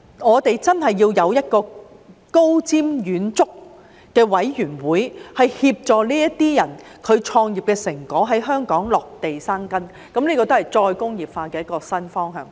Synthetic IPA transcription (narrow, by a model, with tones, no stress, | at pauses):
ŋɔː˨˧t̪e˨jt͡sɐ˥nɦɐ˨jːiː˧wjɐ˨˧wjɐ˥t̚kɔː˧ | ko˥wt͡siː˥mjyː˨˥nt͡sʊ˥k̚ | kɛː˧wɐ˨˥jjyː˨˩nwuː˨˥jhɐ˨jhiː˧p̚t͡ʃɔː˨liː˥jɐ˥tt̪iː˥jɐ˨˩nkʰɵ˨˧ɥt͡ʃʰɔː˧ŋjiː˨p̚kɛː˧sɪ˨˩ŋkɔː˨˥ɦɐ˨˥jɦœː˥ŋkɔː˨˥ŋlɔː˨k̚t̪e˨jsaː˥ŋkɐ˥n | kɐ˨˥mneː˥kɔː˧t̪o˥hɐ˨˩jt͡sɔː˧jkʊ˥ŋjiː˨˩p̚faː˧kɛː˧jɐ˥tkɔː˧sɐ˥nfɔː˥ŋɦœ̰ː˨˩ŋ